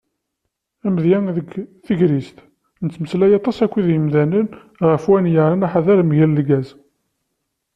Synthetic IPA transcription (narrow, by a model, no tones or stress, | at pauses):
æmðjænðəɡθəʝɾist̪ | nət͡sːməslæjɑt̪ˤɑsækʷːiðjəmðænən | ʁəfwænjəʕɾənaħaðæɾmʝællɡæz